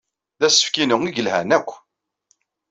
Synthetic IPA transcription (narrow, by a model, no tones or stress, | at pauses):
ðæsə̥fkinəŋiʝəlhænækʷː